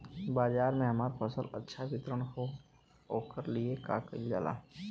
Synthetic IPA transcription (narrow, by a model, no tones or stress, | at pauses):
baːd͡ʒaːɾmẽɦɐmaːɾpʰəsələ̰tːʃʰaʋɪt̪ɾəɽ̃ko | oːkəɾlieka̰ːkəid͡ʒa̰ːla̰ː